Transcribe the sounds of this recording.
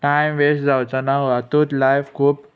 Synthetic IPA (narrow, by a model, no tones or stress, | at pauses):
ʈajmʋesd͡zawt͡sanaɦoat̪ut̪lajfkʰuːp